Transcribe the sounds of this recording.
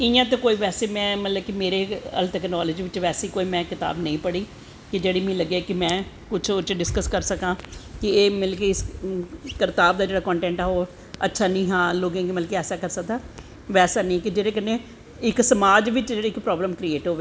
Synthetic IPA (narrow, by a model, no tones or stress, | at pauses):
ɪjãːt̪̬õːkoːiːʋɛːseːmɛ̃ːmət̪ləb̚kimeːɾeːə̰lt̪ɛknɔːlɪd͡ʒiːʋɪt͡ʃʋɛːseiːkoːiːmɛ̃ːkɪt̪a̰ːbnə̃ĩːpəɽiː | kɪd͡ʒeːɽiːmĩːləɡekɪmɛ̃ː | kʊt͡ʃʰʊt͡ʃɖɪskəskəɾsəkãːkɪeːmɪlkiɪs | kɪɾt̪aːbd̪aːd͡ʒeːɽaːkɔ̃ːɳʈɛ̃ːɳʈaːɦoː | ətːʃʰaːnĩːɦãːloːɡãːɡimət̪lkiɛːsaːkəɾsək̚d̪aː | ʋɛːsaːnĩːkɪd͡ʒeːɾeːkənːẽː | ɪksəmaːd͡ʒʋɪt͡ʃd͡ʒeːɽeːɪkpɾɔːbləmkɾieːʈɦoːʋeː